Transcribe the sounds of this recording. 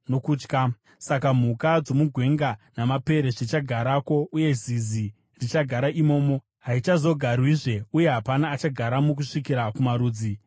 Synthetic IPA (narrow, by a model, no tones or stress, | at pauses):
nokuːt͡ʃka | sakam̤ukad͡zo̞muɡʱwe̞ŋɡanamape̞ɾe̞ʐit͡ʃaɡʱaɾako̞ʔuje̞zizi | rit͡ʃaɡʱaɾaʔimo̞ːmo̞ | ɦait͡ʃazo̞ɡʱarwiʐe̞uje̞ɦapanaːt͡ʃaɡʱaɾamuk̬uʂikiɾakumaɾuːd͡zi